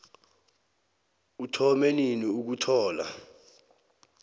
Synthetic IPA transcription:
utʰɔmeniniuk̬utʰɔːla̰

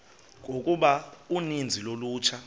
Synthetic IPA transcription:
ŋʼokʼuɓaunind͡zʱiloluːt͡ʃʰa

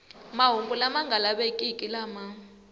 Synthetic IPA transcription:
maɦuŋɡʼulamaŋɡʱalaɓekʼikʼilama

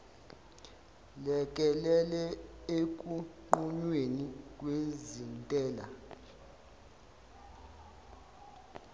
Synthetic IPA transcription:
lɛk̬ʼɛlɛlɛek̬ʼuǃuɲwenikʼwezintʼɛːla̰

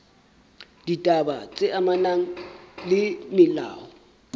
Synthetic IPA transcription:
d̥itʼaba̰t͡sʼɛʔamanaŋ̩lɪmɪla̰ːwɔ

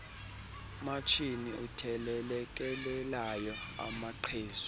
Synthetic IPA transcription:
mat͡ʃʰiniʔutʰɛlɛlɛk̬ʼɛlɛlajɔa̰maǃʰeːzu

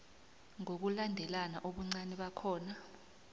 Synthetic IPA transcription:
ŋok̬ulandʱɛlana̰ʔoɓuŋ͡ǀanɛɓakʰɔːna

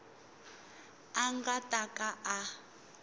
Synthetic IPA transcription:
aŋɡatʼakʼaʔa

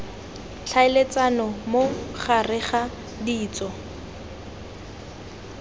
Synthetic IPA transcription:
ɬʰaɪlet͡sanɔmoχarɪχa | diːt͡sɔ

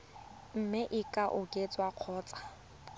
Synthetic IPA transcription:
m̩mɪʔɪkʼaʔʊkʼet͡sʼwaq͡χʰɔːt͡sʼḁ

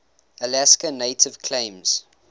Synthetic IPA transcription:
əlæskəneɪtʰɪv̥kʰlẽɪ̃mz̥

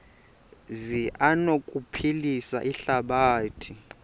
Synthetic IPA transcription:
ziʔanokʼupʰilisa̰ʔiɬaɓaːtʰi

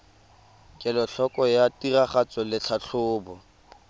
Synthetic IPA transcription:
kʼɛlɔɬʰɔkʼɔjatiraχat͡sʼɔlɪt͡ɬʰaɬʰʊːbɔ

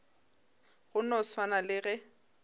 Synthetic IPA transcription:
ɣʊnɔswanalɪɣɛ

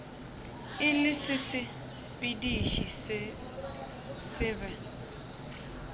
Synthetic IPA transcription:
ɪlɪsɪsɪ | bidiʃis | sɪvɛ

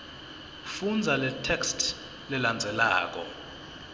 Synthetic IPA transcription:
fund͡zʱalɛtʰɛkstʰ | lɛland͡zʱɛla̰ːk̬ʼɔ̰

